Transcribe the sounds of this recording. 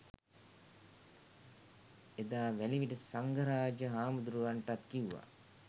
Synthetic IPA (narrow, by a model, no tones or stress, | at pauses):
ed̪aːʋæliʋiʈəsaŋɡəɾaːd͡ʒəɦaːmud̪uɾuʋaɳʈat̪kiuʋːa̰